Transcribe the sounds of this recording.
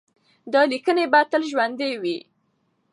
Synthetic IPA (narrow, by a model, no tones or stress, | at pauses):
d̪ɑlikənebat̪əlʒwand̪ewi